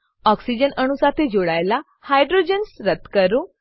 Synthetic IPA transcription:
ɔksid͡ʑənəɳ̃usat̪ʰed͡ʑoɽajla | hajɖɾod͡ʑənsɾət̪kəɾu

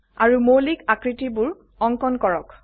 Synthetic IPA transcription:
aɹumolikakɹitibuɹ | ɔŋkɔnkɔɹɔk

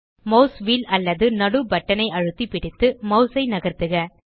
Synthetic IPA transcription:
mɐʊsʋiːlɐlːɐðɯnɐɽɯbɐʈːɐnɐɪɐɻɯt̪ːipɪɽɪt̪ːɯmɐʊsɐɪnɐɣɐɾt̪ɯɣɐ

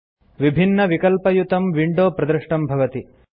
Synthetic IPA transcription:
ʋibʱinːɐʋikɐlpɐjut̪ɐmʋiɳɖoːpɾɐd̪ɾɐʂʈɐmbʱɐʋɐt̪i

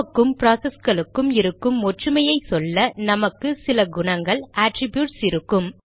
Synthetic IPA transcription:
kːɯmpɾaːsɐsɡɐɭɯkːɯmɪɾɯkːɯmːɔʈrɯmɐjɐɪsɔlːɐnɐmɐkːɯsɪlɐɡʊɳɐŋɡɐɭaːʈɾɪbjuːʈsɪɾɯkːɯm

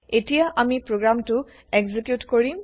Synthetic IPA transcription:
etijaʔamipɹoɡɹamtʊ | ɛɡzikjutkoɹim

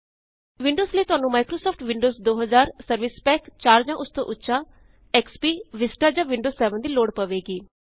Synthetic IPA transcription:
ʋɪ̃ɳɖoːzliːt̪ʊaːnũːmaːɪkɾoːsɔːpʰʈʰʋɪ̃ɳɖoːzd̪oːɦəzaːɾsəɾʋɪspɛːkt͡ʃaːɾd͡ʒãːʔʊst̪õ̰ʔʊtːʃaː | ɛːkspiːʋɪsʈaːd͡ʒãːʋɪ̃ɳɖoːzsɛːʋənd̪iːloːɽpəʋeːɡiː

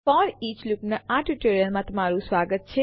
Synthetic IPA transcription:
fɔɾit͡ʃlupnaaʈuʈeɾjəɾmãt̪əmaɾũsʋaɡət̪̚t͡ʃʰe

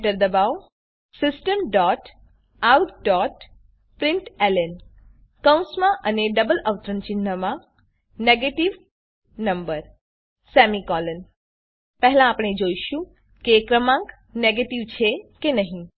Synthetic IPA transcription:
ʈəɾd̪əbaʋ | sɪsʈəmɖɔʈ | awt̪ɖɔʈ | pɾɪɳʈelən | kə̃wsmãʔəneɖəbələʋt̪ɾənt͡ʃinːəmã | neɡeʈiʋ | nəmbəɾ | sɛmikɔlən | pɛɦlãːpɳ̃ed͡ʒoiʃũ | kekɾəmãŋk | neɡeʈiʋt͡ʃʰekenəɦĩ

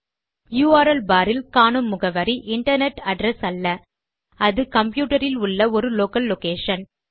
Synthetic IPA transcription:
juːaːɾɐlbaːɾɪlkaːɳɯmːʊɣɐʋɐɾiʔɪɳʈɐɾnɛʈɐɖɾɛsɐlːɐ | ɐðɯkɐmpjuːʈɐɾɪlʊɭːɐɔɾɯloːkɐlːokeːʂɐn

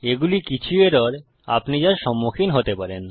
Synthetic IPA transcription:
eɡulikit͡ɕʰueɾɔɾ | a̰pnid͡ʑaɾʃɔmːokʰinɦot̪epaɾen

